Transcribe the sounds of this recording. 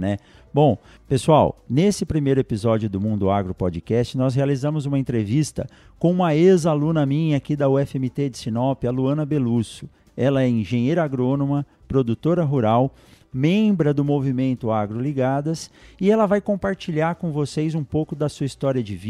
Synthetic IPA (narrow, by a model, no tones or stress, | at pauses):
nɛ | bõw̃ | pesua̰wnesɪpɾimejɾʊepizɔd͡ʒiʊd̪ʊmũd̪ʊaɡɾʊpɔd͡ʒɪkɛst͡ʃɪnɔs̬ɦealizɐ̃mʊzũmɐẽnt̪ɾevist̪ɐ̰ | kõũmɐezalũnɐmĩɲɐakid̪ɐʊɛfemit̪ed͡ʒɪsinɔpiɐluɐ̃nɐbelusʊ̥ | ɛlɐɛĩʒẽɲejɾɐaɡɾonomɐ | pɾod̪ut̪oɾɐɦuɾaw | mẽbɾɐd̪ʊmovimẽnt̪ʊaɡɾʊliɡad̪ɐsɪɛlɐvajkõpaɾt͡ʃiʎaɾkõvosejzũpowkʊd̪ɐsuɐist̪ɔɾiɐd͡ʒɪvi